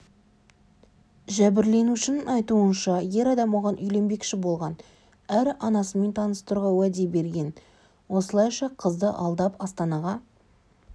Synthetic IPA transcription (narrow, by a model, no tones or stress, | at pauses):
ʒæbɪɾle̞nuʃɪnəŋɑjt̪uənʃɑje̞ɾɑd̪ɑmwoʁɑnʔʏjle̞mbe̞kʃɪbo̞lˠʁɑn | æɾɑnɑsəme̞nt̪ʰɑnəst̪əɾʁɑwæd̪e̞be̞ɾɡʲe̞n | wo̞səlˠɑjʃɑqʰəzd̪əʔɑlˠd̪ɑpɑst̪ɑnɑʁɑ